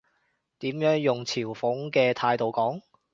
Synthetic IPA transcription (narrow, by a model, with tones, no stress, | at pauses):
t̪iː˨˥mjœː˨˥ŋjʊ˨˩ŋt͡sʰiː˨˩wfʊ˨˥ŋkɛː˧t̪ʰaː˧jt̪o˨wkɔː˨˥ŋ